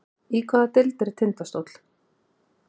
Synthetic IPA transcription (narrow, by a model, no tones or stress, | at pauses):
ikʰvaːðat̪ɪlt̪ɛɾt̪ʰɪnt̪ast̪owt̪l̥